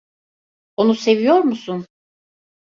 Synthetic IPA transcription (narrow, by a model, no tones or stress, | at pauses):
o̞nuse̞vijo̞ɾmusun